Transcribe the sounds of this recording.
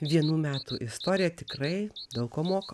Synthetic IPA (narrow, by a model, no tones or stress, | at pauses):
ʋʲiɛnuːmʲæːt̪uːʔɪst̪oːɾʲɪjɛt̪ʲɪkɾɐɪd̪ɐʊkoːmoːkɐ